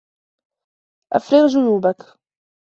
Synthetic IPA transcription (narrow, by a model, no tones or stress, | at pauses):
ʔæ̰fɾiʁʒʊjuːbæk